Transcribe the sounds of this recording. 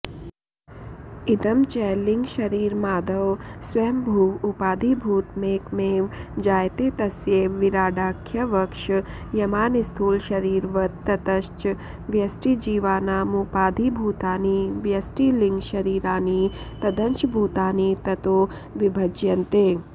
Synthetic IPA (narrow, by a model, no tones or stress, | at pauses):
id̪ɐmt͡ʃɛːliŋɡʃɐɾiːɾmaːd̪ɐʋsʋeːmbʱuːupaːd̪ʱibʱuːt̪meːkmeːʋd͡ʒaːjt̪eːt̪ɐsjeʋiɾaːɖaːkʰjɐʋɐkʃ | jɐmaːnist̪ʰuːlʃɐɾiːɾʋɐt̪ːɐt̪ɐʃt͡ʃ | ʋjɐsʈid͡ʒiːʋaːnaːmupaːd̪ʱibʱuːt̪aːniʋjɐsʈiliŋɡʃɐɾiːɾaːnit̪ɐd̪əɲt͡ʃbʱuːt̪aːnit̪ɐt̪oː | ʋibʱɐd͡ʒjɐnt̪eː